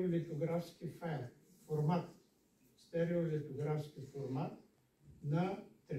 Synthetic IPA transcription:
lit̪oɡɾafskifajfoɾmat̪ | st̪ɛɾɛolit̪oɡɾafskifoɾmat̪ | nɐt̪ɾ

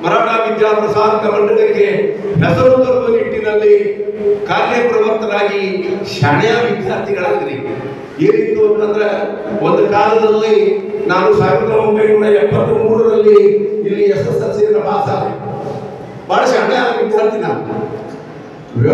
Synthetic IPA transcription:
mɐɾaːkaːʋid̪jaːɾpɾɐsaːɾɐk̪ɐbɐɳɖɐɡɐɾiɡe | ɦɛsɐʋund̪ɐɾɐʋɐniʈːinɐlːikaːɾjɐpɾɐʋɐkt̪ɐɾaːɡiʃɐɳɐjaʋid̪jaːɾt̪ʰiɡɐɭaːɡ̪iɾi | iːɾit̪d̪uoɐnt̪ɐnt̪ɾe | ond̪ukaːlɐd̪ɐlːinaːnusaːɐd̪ɾɐmombekuːɽɐjɛpːɐt̪ːumuːɾuɾɐlːiilːiesɐsɐsiːɾiɾɐbʱaːsaː | bɐːɭɐʃɐɳɐjaʋid̪jaːɾt̪ʰinaːn

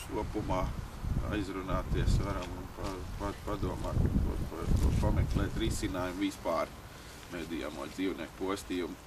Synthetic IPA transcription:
ʃuɔpumaː | a̰jzɾunaːt̪iɛsʋaɾamunpapapad̪uɔma̰ːt̪t̪ṵɔpat̪ṵɔpamɛklɛːt̪ɾisinaːjumʋispaːɾ | mɛːd̪ija̰muɔːd̪ziːwnʲiɛk̚puɔsʲt̪ʲiːum

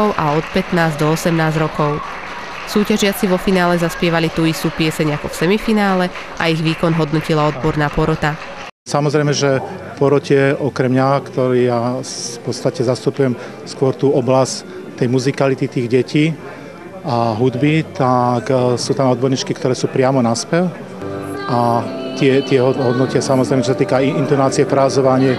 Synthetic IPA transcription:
ɔʊʔaɔt̪pɛt̪naːzd̪ɔɔsɛmnaːzɾɔkɔʊ | suːcaʒɪat͡siʋɔfinaːlɛzaspɪɛʋalit̪uːist̪uːpɪɛsɛɲakɔfsɛmifinaːlɛ | ʔaiɣʋiːkɔnɦɔd̪nɔcilaɔd̪bɔɾnaːpɔɾɔt̪a | samɔzɾɛɪmɛʒɛ | pɔɾɔcɪɛɔkɾɛmɲakt̪ɔɾiːjapɔt̪st̪acɛzast̪upujɛm | skʊɔɾt̪uːɔblasc | t̪ɛjmuzikalit̪it̪iːɣɟɛciː | aɦud̪bit̪aksuːt̪amɔd̪bɔɾɲiːt͡ʃkikt̪ɔɾɛːsuːpɾɪamɔnaspɛl | ʔat̪ɪɛt̪ɪɛɦɔɦɔd̪nɔcɪasamɔzɾɛjmɛt͡ʃɔsat̪iːkaint̪ɔnaːt͡siɛfɾazɔʋaɲɪɛ

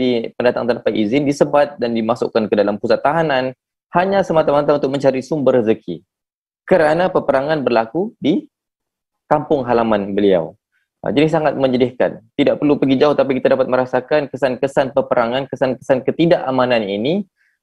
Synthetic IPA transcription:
dipəndat̪a̰ŋt̪anapaʔizɪndisəbat̪̚dandimasʊ̰ʔkankədalampusat̪ːaɦanan | haɲãsəmat̪amat̪̬aunt̪ʊk̚mə̃ɲt͡ʃaɾisumbərəzəkʰḭ | kəɾanapəpəɾaŋanbərlakudi | kampʊŋɦalamanbəlia̰w̰ | d͡ʒanisaŋat̪̚mə̃ɲd͡ʒədɪhka̰nt̪idaʔpərlupəɡid͡ʒaʊht̪ap̬ikit̪adapat̪̚məɾasakankəsankəsanpəpəɾaŋankəsankəsankət̪idaʔamananini

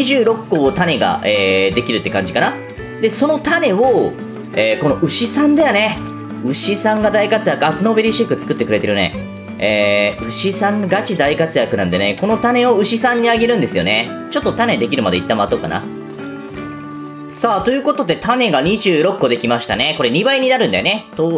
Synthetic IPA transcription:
iʑɨːɾo̞kːo̞ːt̪ane̞ɡa̰ʔeːd̪e̞kʲiɾɯ̟t̪ːe̞kãɲ̟d͡ʑikana | d̪e̞so̞no̞t̪ane̞o̞ | eːko̞no̞ʔɯ̟ɕisãnd̪ajane | ɯ̟ɕisãŋɡad̪aikat͡sɨjakɯ̟asɨno̞bʲeɾʲiɕikːɯ̟t͡sɨ̥kɯ̟t̪ːe̞kɯ̟ɾe̞t̪e̞ɾɯ̟nḛ | eːɯ̟ɕisãŋɡat͡ɕid̪aikat͡sɨjakɯ̟nãnd̪e̞neko̞no̞t̪ane̞o̞ɯ̟ɕisãɲ̟ːiaɡe̞ɾɯ̟̃nd̪e̞sɨjo̞̰ne̞ | t͡ɕo̞t̪ːot̪ane̞d̪e̞kʲiɾɯ̟mad̪eḭt̪ːamoat̪ːoka̰na̰ | saːt̪o̞jɯ̟ːkot̪o̞d̪e̞t̪ane̞ɡaɲ̟iʑɨːɾo̞kːo̞d̪e̞kʲimaɕi̥t̪a̰ne̞ko̞ɾe̞ɲ̟ibaiɲ̟inaɾɯ̟̃nd̪ajonet̪o

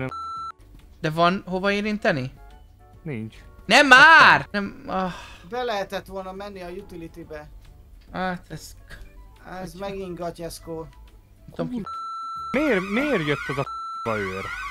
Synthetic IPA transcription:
ɛ | d̪̥ɛvɒnɦo̞vɒeːɾint̪ɛni | nint͡ʃ | nɛmːaːrɛmɒbɛlɛɦɛt̪ɛt̪ʋo̞lnɒmɛnːiɒjut̪ilit̪ibɛ | aːt̪ʰɛs | ɛzmɛɡiŋɡɒcɛskoː | mt̪om | meːrmeːrjøt̪ːɛzɒɒjøːɾ

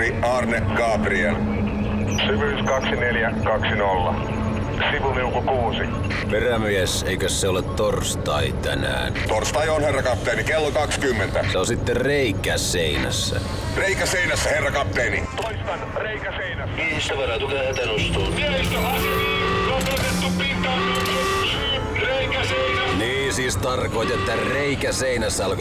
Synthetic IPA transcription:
niɑːrnekɑːpriel | syʋyːskɑksineljækɑksinolːɑ̰ | siʋuliukːukuːsi | peræmieseikøsseolet̪t̪orst̪ɑit̪æ̰næ̰ːnt̪orst̪ɑjonherːɑkɑp̪ːeːnikelːokɑkskymːent̪æseonsit̪ːerreikːˑæsːeinæ̰sːæ̰ | reikæseinæsːæherːɑkɑpːeːnit̪oist̪ɑn | reikæseinæsisːæʋerɑt̪ukæhæt̪ænost̪uːest̪æɑniot̪et̪et̪ːupint̪ɑoe | s | reikæseinæniːsiːst̪ɑrkoˑit̪ot̪ːæreikæseinæsːæɑlk

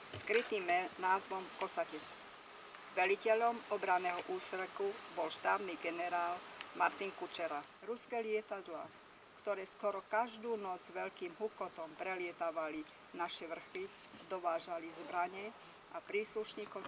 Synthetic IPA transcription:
skɾit̪iːmɛnaːzʋɔmkɔsacɛt͡s | ʋɛlicɛʎɔmɔbɾanɛːɦɔʔuːsɾɛkubɔlʃt̪aːʋniɡɛnɛɾaːlmaɾt̪iŋkut͡ʃɛɾa | ɾuskɛːlɪɛt̪ad̪la̰ | kt̪ɔɾɛːskɔɾɔkaʒd̪uːnɔd͡zʋɛʎkiːmɦukɔt̪ɔmpɾɛlɪɛt̪aʋali | naʃɛʋr̩xi | d̪ɔʋaːʒalizbɾaɲɛ | apɾiːsluʃɲiːkɔ

